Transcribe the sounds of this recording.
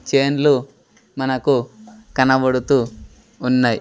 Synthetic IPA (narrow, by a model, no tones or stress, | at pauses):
t͡ʃeːnlu | mɐnɐkukɐnɐʋɐɽut̪uː | nːaj